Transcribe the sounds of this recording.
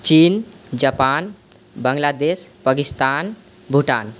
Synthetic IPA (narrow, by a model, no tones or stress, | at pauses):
t͡ɕiːnd͡ʑapan | bəŋɡlad̪eɕpakist̪an | bʱuʈan